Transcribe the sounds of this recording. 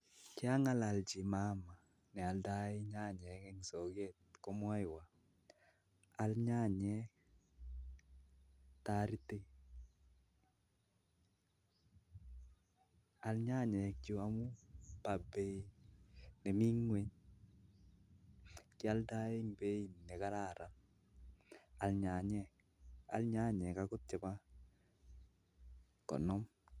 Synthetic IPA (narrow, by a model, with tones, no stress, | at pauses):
kɪ˦a˦ŋa˦la˨ld͡ʒi˨ma˦ma˨ | nɛ˨a˨lda˦e˦ɲa˦˨ɲɛ˨˦kɛ˦ŋsɔ˨ɡe˦˨t̚kɔ˦mɔ˦ɪ˨wa˨ | a˨lɲa˦˨ɲɛ˦ | ta˦ɾi˦te˦ | a˨lɲa˦ɲɛ˨k̚t͡ʃo˨a˦mu˦pa˨bɛ˨ | nɛ˨mi˦ŋwɛ˦ɲ | kɪ˦a˦lda˦e˦ŋbɛ˦i˨mnɛ˨ka˦la˦˨ɾa˨n | a˨lɲa˨ɲɛ˦˨k | a̰˨lɲa˦ɲɛ˨ka˦kʊ˦t̚t͡ʃɛ˨ba˦ | kɔ̰˨nɔ˦m